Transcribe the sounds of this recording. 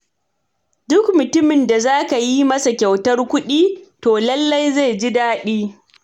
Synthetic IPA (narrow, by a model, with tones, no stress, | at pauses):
dʊ˦kmʊ˨tʊ˦mɪ˨nda˨zaː˦ka˨ji˦mɐ˦sa˨kʲa˨wtɐ˦rkʷʊ˦ɗiː˦toː˨lɐ˦lːa˦jze˦˨d͡ʒi˦daː˦ɗiː˦